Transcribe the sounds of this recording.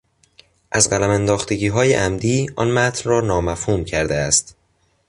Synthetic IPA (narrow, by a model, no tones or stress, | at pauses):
ʔæzɢælæmænd̪ɒːxt̪e̞ɟiːɦɒːjḛʔæmd̪iːʔɒ̰nmæt̪ʰnrɒːnɒːmæfhuːmcʰæɾd̪eæst̪